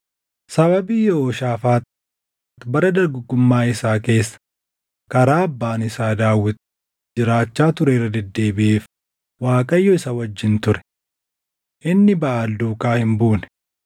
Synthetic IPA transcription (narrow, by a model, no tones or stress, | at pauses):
sɐbɐbiːjoːʃaːfaːt̪ | t̪bɐɾɐd̪ɐɾɡʊɡʊmːaːɪsaːke̞ːsːɐ̥ | kɐɾaːɐbːaːnɪsaːd̪aːwːɪt̪ | d͡ʒɪɾaːt͡ʃːaːt̪ʊɾeːrɐd̪ɛd̪ːe̞ːbɪʔeːf | waːkʼɐjːɔɪsɐwɐd͡ʒːɪnt̪ʊɾɛ̥ | ʔɪnːɪbɐʔaːld̪uːkaːhɪmbuːnɛ